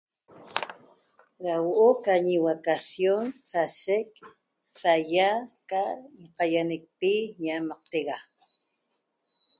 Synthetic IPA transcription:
ɾawoʔokaɲiwakasjonsaʃek̚ | sajakaɴqajanek̚piɲamaq̚t̪eɣa

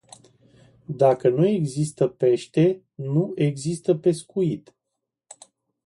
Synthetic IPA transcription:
d̪akənue̞ɡzist̪əpe̞ʃt̪e̞ | nuʔe̞ɡzist̪əpe̞skuit̪

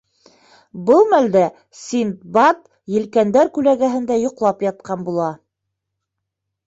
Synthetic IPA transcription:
bɤlˠmæld̪æ | sʲint̪̚bɑt̪ | jɘ̆lkænd̪æɾkʉlæɡæɦɘ̆nd̪æjŏqlˠɑpjɑt̪̚qɑnbulˠɑ

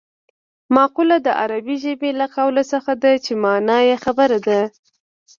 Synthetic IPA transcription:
mɑqulad̪əʔa̰ɾabiʒəbelaqawlasəxad̪at͡ʃemɑnɑjexabəɾad̪a

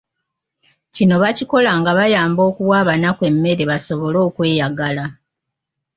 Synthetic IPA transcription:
cino̞βaciko̞laŋɡaβajaːmbo̞ːkuwaːβanakwe̞mːe̞ɾe̞βaso̞βo̞lo̞ːkwe̞ːjaɡala

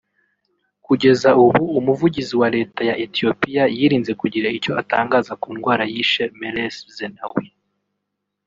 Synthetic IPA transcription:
kuɟe̞zauβuːmuvuɟiziwaɾe̞ːtajaʔetio̞pijajiɾiːnze̞kuɟiɾaico̞ata̰ːŋɡaːzakuːnɡwaːɾajiʃemeleszena̰wi

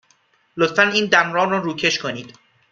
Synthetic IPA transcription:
lot̪fæniːnd̪æmrɒːrɔːɾuːcʰe̞ʃkʰo̞niːd̪̥

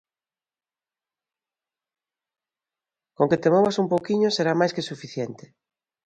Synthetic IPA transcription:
koŋket̪emoβasumpowkiɲʊseɾamajskesufiθjent̪ɪ̥

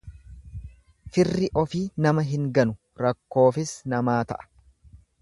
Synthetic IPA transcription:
fɪrːɪʔɔfiːnɐmɐɦɪŋɡɐnʊ | ɾɐkːo̞ːfɪsnɐmaːt̪ɐ̰ʔɐ̥

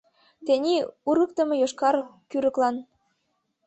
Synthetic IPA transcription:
t̪enʲiuɾə̆k̚t̪ə̆mɤ̆joʃkɑrkyɾə̆klɑn

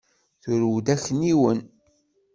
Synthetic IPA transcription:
θʊɾwd̪æçəniwən

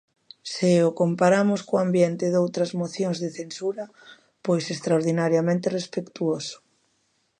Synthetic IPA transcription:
sɪʊkompaɾamʊskoambjent̪ɪðowt̪ɾɐzmoθjoŋzðɪθensuɾɐ | pojsest̪ɾaoɾðinaɾjamẽnt̪ɪrespekt̪uosʊ̥

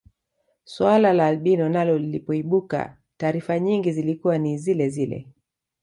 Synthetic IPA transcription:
swalalaːlɓinɔnalɔlilipɔiɓuka̰ | taːɾifaɲiŋɡizilikuwanizilɛzilɛ̰

